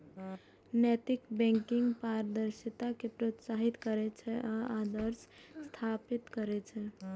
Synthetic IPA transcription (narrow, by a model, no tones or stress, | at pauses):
nɛt̪ikbɛ̃ŋkɪŋɡpaɾəd̪əɾʃət̪akepɾot̪saɦit̪kəɾɛt͡ʃʰɛʔaad̪əɾsst̪ʰapit̪kəɾɛt͡ʃʰɛ